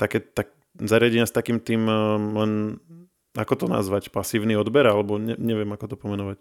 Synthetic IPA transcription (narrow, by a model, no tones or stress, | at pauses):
t̪akɛt̪ak̚ | zaɾɪaɟɛɲɪast̪akiːmt̪iːmlɛn | akɔt̪ɔna̰zʋacpasiːʊniɔd̪bɛɾalɛbɔɲɛɲɛʋɪɛmakɔt̪ɔpɔmɛnɔʋac